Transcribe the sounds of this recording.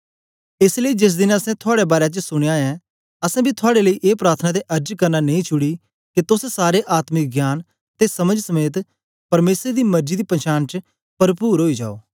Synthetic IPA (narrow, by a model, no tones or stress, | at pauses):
ɪsləiːd͡ʒɪs̬d̪ɪnɐsɛ̃t̪ʰʊaːɽebaːɾeat͡ʃəsʊɽ̃eːãːɛ̃ | ɐsɛ̃bit̪ʰʊaːɽeləiːʔeːpɾaːɾt̪ʰənad̪eʔɐɾd͡ʒkɐɾnanɐ̃ĩt͡ʃʰʊɽiː | ket̪ʊssaːɾeʔaːt̪mɪk̚ɡjaːn | t̪esɐməd͡ʒsəmeːt̪ | pɐɾmeːsɾed̪iːmɐɾd͡ʒid̪iːpɐ̃nt͡ʃaːnt͡ʃ | pɐɾpuːɾɦoːid͡ʒa̰ːo̰ː